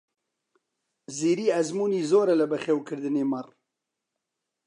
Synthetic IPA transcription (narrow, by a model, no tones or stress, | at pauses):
ziːɾiːæzmuːniːzoːɾɐlɨbɛxeːwkʰɨɾd̪ɨneːmɐr